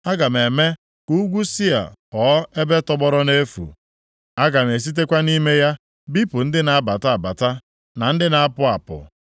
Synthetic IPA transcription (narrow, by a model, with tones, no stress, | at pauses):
a˦ɡa˨m˨e˨me˦ | ku˦ɡʷu˦si˦a̰˨ɔ˨˦e˦be˦tɔ˦ɡ͡bɔ˦ɾɔ˦ne˦fṵ˨ | a˦ɡa˨m˨e˨s̬i˦t̬e˦kʷa˦ni˦me˦ja˦ | bi˦pʊ˨n̩˦dɪ˦na˨a˦ba˨ta˦a˨ba˨ta˦ | na˨n̩˦dɪ˦na˨a˦pʊ˦a˨pʊ̰˨